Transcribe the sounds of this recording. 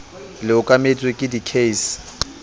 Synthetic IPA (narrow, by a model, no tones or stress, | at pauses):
lɪʊkʼamet͡sʼwekʼɪdikʰesɪ̥